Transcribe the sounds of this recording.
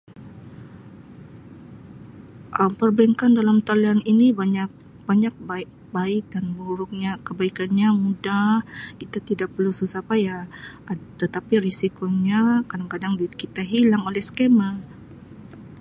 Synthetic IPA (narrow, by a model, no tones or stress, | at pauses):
ʔəmpərbɛŋkandalamt̪alianinibaɲak̚ | b̥aɲak̚ba | baɪk̚danbuɾʊk̚ɲakəbaikanɲamudahkit̪at̪idak̚pərlususapaja | t̪ət̪apirisikoɲakadaŋkadaŋdut̪̚kit̪aɦilaŋolɛhskema